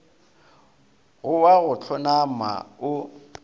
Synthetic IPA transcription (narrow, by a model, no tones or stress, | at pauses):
ɣʊwaɣʊt͡ɬʰɔnama̰ʊ